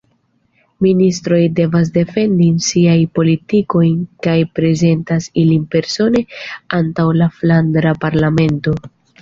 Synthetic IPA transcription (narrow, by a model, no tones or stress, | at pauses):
ministɾo̞jde̞vas̬de̞fe̞ndinsiajpo̞litiko̞jnkajpɾe̞ze̞ntasilinpe̞ɾso̞ne̞antawlaflandɾapaɾlame̞nto̞